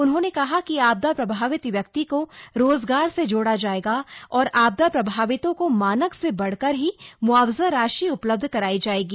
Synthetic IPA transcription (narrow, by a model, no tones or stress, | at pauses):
ʊnɦõnekɐɦakiaːb̚d̪apɾɐbʱaːʋɪt̪ʋjɐk̚t̪ikoɾoːzɡaːɾsed͡ʒoːɽad͡ʒaːeːɡaɔːɾaːb̚d̪apɾɐbʱaːʋɪt̪õkomaːnəksebɐɽ̤kəɾɦimʊaːwzaɾaːʃiʊpləb̚d̪ʱkɐɾaːid͡ʒaːeːɡiː